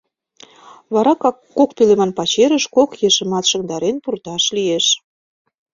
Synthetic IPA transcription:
βɑɾɑkɑ | okpelemɑnpɑt͡ɕeɾəʃkokjeʃə̆mɑt̪ʃə̆ŋd̪ɑɾenpurt̪ɑʃlijeʃ

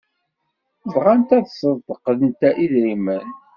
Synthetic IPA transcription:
vʁant̪æðsəðˤd̪əqːlənt̪æʔiðɾimən

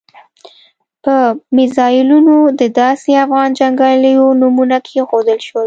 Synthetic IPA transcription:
pəmɪzɑjɪlunod̪əd̪ɑseafɣɑnd͡ʒaŋɡɑləjonumunakʰexod̪əlʃwəl

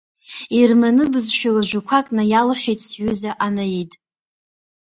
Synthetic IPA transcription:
irmanɨbɨzʃᶣalaʒᶣʷakʷʰakʼnajalχʲᶣejtʼsɥʏzaʔanajitʼ

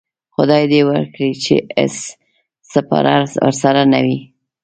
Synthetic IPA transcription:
xʊd̪ɑjd̪ewə̰ɾkɽit͡ʃḛɪ̰sː | apa̰ɾaə̰ɾsaɾanawi

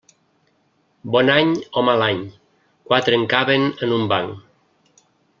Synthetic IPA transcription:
bɔnaɲomalaɲ | kwat̪ɾeəŋkaβenənumbaŋ

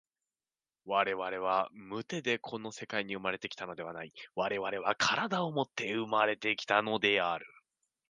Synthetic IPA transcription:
βaɾe̞βaɾe̞β̞amɯ̟t̪e̞d̪e̞kʰo̞no̞se̞kaiɲ̟iɯ̟maɾe̞t̪e̞kʲi̥t̪ano̞d̪e̞βanaiβaɾe̞βaɾe̞β̞akʰaɾad̪aomo̞t̪ːe̞ɯ̟maɾe̞t̪e̞kʲi̥t̪ano̞d̪e̞aɾɯ̟

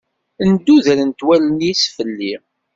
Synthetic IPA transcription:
ənd̪ːuðɾənt̪wælənjisfəlːi

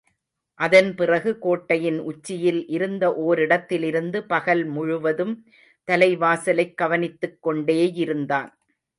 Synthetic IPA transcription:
ʔɐðɐnpɪrɐɣɯkoːʈːɐjɪnʊt͡ʃːɪjɪlʔɪɾɯnd̪ɐʔoːɾɪɽɐt̪ːɪlɪɾɯnd̪ɯpɐɣɐlmʊɻʊʋɐðɯm | t̪ɐlɐɪʋaːsɐlɐɪkːɐʋɐnɪt̪ːɯkːɔɳɖeːjɪɾɯnd̪aːn

